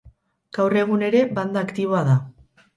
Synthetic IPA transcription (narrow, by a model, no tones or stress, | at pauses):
ɡ̥awre̞ɣ̞une̞ɾe̞band̪aːkt̪iβ̞oaða